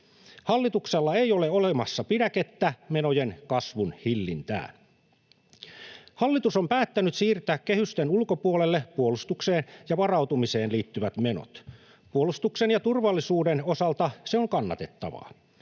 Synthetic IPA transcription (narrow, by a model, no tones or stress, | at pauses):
hɑlːit̪ukselːɑejoleolemɑsːɑpidæket̪ːæmenojenkɑsʋunhilːint̪æ̰ː | hɑlːit̪usompæːt̪ːænyt̪siːrt̪æːkkehyst̪enulkopuolelːepuolust̪ukseːnjɑʋɑrɑwt̪umise̞ːnliːt̪ːyʋæt̪meno̰t̪ | puolust̪uksenjɑt̪urʋɑlːisuːdenosɑlt̪ɑseoŋkɑnːɑ̰t̪e̞t̪ːɑ̰ʋɑ̰